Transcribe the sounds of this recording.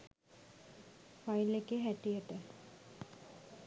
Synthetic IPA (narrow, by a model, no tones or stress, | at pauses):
fajlekːeɦæʈijəʈə